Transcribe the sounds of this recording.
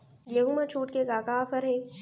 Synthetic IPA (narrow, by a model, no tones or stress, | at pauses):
ɡjeɦumat͡ʃʰuːʈkeɡaːkaːfəɾɦeː